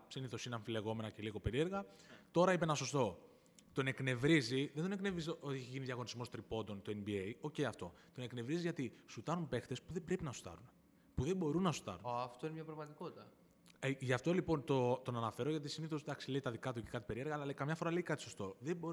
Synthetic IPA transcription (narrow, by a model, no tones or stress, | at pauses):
siniθo̞sineɐɱfile̞ɣo̞me̞nɐce̞liɣo̞pe̞ɾie̞ɾɣɐt̪o̞ɾɐip̬enɐso̞st̪o̞ | t̪o̞ne̞kne̞vɾiziðend̪one̞knevizot̪iiçeʝiniðʝɐɣo̞nizmo̞st̪ɾipo̞nd̪o̞nt̪oenbiejo̞ce̞iɐft̪o̞ | t̪o̞neknevɾiziʝɐt̪isut̪ɐɾunpe̞xt̪e̞spuðebɾepinɐsu̥t̪ɐ̰ɾun | puðe̞bo̞ɾunːɐsu̥t̪ɐ̰ɾunːft̪oinemɲɐpɾɐɣmɐt̪iko̞t̪it̪ɐ | eʝɐft̪olipo̞nt̪o̞t̪o̞nɐnɐfe̞ɾo̞ʝɐt̪isiniθosd̪ɐksile̞it̪ɐðikɐt̪uci̥kɐt̪i̥pe̞ɾie̞ɾɣɐːlɐleikɐmɲɐfo̞ɾɐle̞ikɐt̪i̥so̞st̪o̞ðebo̞ɾ